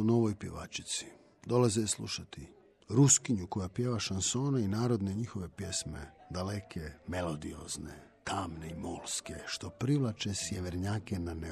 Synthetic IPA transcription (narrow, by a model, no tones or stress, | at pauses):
uno̞ʋojpje̞ʋa̰ːt͡ʃi̥t̪si̥ | d̪o̞lazeislˠṵʃat̪i | ɾuskiɲuko̞japje̞ːʋaʃanso̞ːnainaːɾod̪ne̞ɲixoʋe̞pjesmḛd̪ale̞kʰeme̞lˠo̞d̪io̞̰znḛ | t̪ʰaːmneimolˠskeʃt̪o̞pɾiʋlˠat͡ʃesjeʋeɾɲaːke̞nane